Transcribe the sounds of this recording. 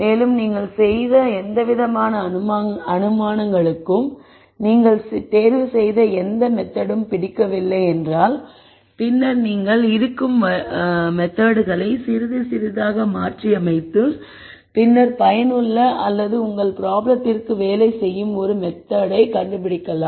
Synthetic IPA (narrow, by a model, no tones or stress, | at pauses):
meːlɯmniːŋɡɐɭsɛjðɐɛnd̪ɐʋɪðɐmaːnɐɐnɯmaːnɐŋɡɐɭɯkːɯm | niːŋɡɐɭst̪eːɾʋɯsɛjðɐɛnd̪ɐmɛt̪ːɐɽɯmpɪɽɪkːɐʋɪlːɐɪɛndraːl | pɪnːɐɾniːŋɡɐɭɪɾɯkːɯmɐmɛt̪ːaːɽɯɣɐɭɐɪsɪɾɯðɯsɪɾɯðaːɣɐmaːʈriɐmɐɪt̪ːɯ | pɪnːɐɾpɐjɐnɯɭːɐʔɐlːɐðɯʊŋɡɐɭpɪɾaːblɐt̪ːɪrkɯʋeːlɐɪsɛjːɯmɔɾɯmɛt̪ːaɽɐɪkɐɳɖɯpɪɽɪkːɐlaː